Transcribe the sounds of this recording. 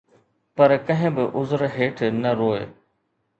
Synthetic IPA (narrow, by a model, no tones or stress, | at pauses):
pɐɾkɐ̃ɦɪ̃bɪʔʊzɾɦeːʈʰnɐɾoːe